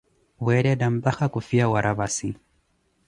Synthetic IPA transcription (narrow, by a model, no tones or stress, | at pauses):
wɛɾɛdambaxakufiawaɾʔaβasi